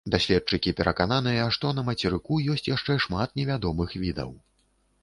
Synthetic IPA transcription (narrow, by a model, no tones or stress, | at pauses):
d̪asʲlʲɛt̪̚t͡ʂɨkʲipʲɛɾʔɐkananɨjɐʂt̪ɔnɐmɐt͡sʲɛɾɨkujɔsʲt͡sʲjaʂt͡ʂɛʂmat̪nʲɛvʲad̪ɔmɨxvʲid̪ɐ̰w